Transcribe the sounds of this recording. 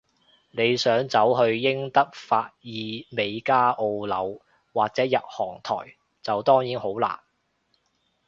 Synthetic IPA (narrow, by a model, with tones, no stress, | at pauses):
ne˨˧jsœː˨˥ŋt͡sɐ˨˥wɦɵ˧ɥjɪ˥ŋt̪ɐ˥k̚faː˧t̚jiː˨˧me˨˧jkaː˥ʔo˧wlɐ˨˧w | waː˨k̚t͡sɛː˨˥jɐ˨t̚hɔː˨˩ŋt̪ʰɔ̰ː˨˩j | t͡sɐ˨wt̪ɔː˥ŋjiː˨˥nho˨˥wla̰ː˨˩n